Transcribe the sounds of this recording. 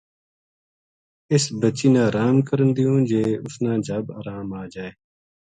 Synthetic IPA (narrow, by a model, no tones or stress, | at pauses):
ɪsbət͡ʃiːnãːɾaːmkəɾənd̪iũːd͡ʒeːʊsnãːd͡ʒʱaːbaːɾaːmaːd͡ʒaːeː